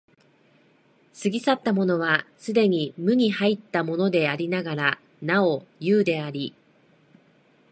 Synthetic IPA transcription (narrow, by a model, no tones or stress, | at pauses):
sɨɡʲisat̪ːamo̞no̞β̞asɨd̪e̞ɲ̟imɯ̟ɲ̟ihait̪ːamo̞no̞d̪e̞aɾʲinaɡaɾa | nao̞jɯːd̪e̞aɾʲi